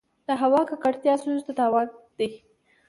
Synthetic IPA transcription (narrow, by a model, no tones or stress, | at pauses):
d̪̥əɦawɑkakaɽt̪jɑsuzd̪ad̪ɑwɑd̪̥ij